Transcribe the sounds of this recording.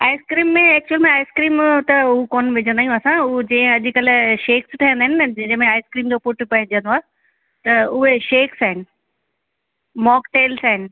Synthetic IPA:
aːɪskɾiːmːẽɛːk̚t͡ɕuəlimẽaːɪskɾiːmt̪ɐʊɦukoːnʋɪd͡ʑʱə̃nd̪aːijũɐsãʊd͡ʑɐ̃ːɪ̃ɐʄkɐlʃeːksʈʰijə̃nd̪aːɦɪnɪd͡ʑɪ̃mẽaːɪskɾiːmd͡ʑopʊʈʰpɐɦɪ̃d͡ʑə̃nd̪oaː | t̪ɐʊɦeʃeːksaːɦɪnɪ̆ | mɔːkʈeːlsaːɦɪnɪ̆

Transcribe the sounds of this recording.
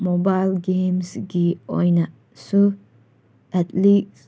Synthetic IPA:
mobajlɡemsɡio̰jnɐ | su | ɛtlis

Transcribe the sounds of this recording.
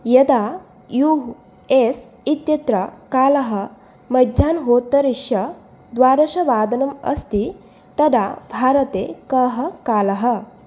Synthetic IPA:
jɐd̪a | ju | es | it̪jɐt̪ɾɐkaːlɐɦɐ | mɐd̪ʱjaːnɦoːt̪ːɐɾiʂjɐ | d̪ʋaːɾɐʃɐʋaːd̪ɐnɐmɐ̰st̪i | t̪ɐd̪abʱaːɾɐt̪ekɐɦɐkaːlɐɦɐ

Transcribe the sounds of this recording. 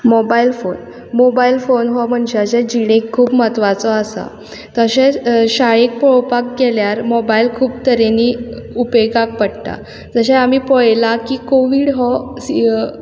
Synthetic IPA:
mɔbailfon | mobailfonɦɔm̤əɳd͡ʑed͡ʑed͡ʑiɽ̃ekʰːuːpmət̪ʋat͡sɔəsa̰ | t̪əɕeɕaɭek̚pɔɭpak̚ɡɛljaɾmɔbailkʰuːb̚t̪əɾeniupeɡak̚pəɽt̪a̰ | d͡zəɕeamiːpɔjlakiːkoʋiːɽɦɔ

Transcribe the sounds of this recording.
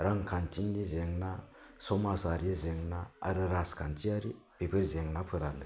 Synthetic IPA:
ɾaŋkʰant͡ʃindizeŋnasomasaɾiezeŋnaa̰ɾiɾaskʰant͡ʃiaɾi | b̥epʰiɾzeŋnapʰɨɾandɨ

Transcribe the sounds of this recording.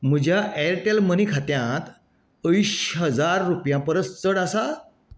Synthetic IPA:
m̤əd͡ʑʱjaʔɛɾʈelmənikʰat̪jãt̪ | əjɕɦəd͡zaɾːupjãpəɾəst͡səɽəsa

